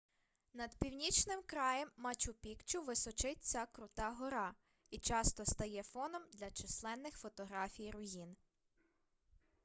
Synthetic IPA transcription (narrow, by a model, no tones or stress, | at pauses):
nɐd̪pʲiwnʲit͡ʃnɪmkɾɑjɛmːɐt͡ʃʲʊpʲikt͡ʃʊʋɪsɔt͡ʃɪt̚ʲt͡sʲɐkɾʊt̪ɑɦɔɾɑ | it͡ʃɑst̪ɔst̪ɐjɛfɔnɔmd̪lʲɐt͡ʃislˠɛnːɪxfɔt̪ɔɦɾɑfʲijɾʊjin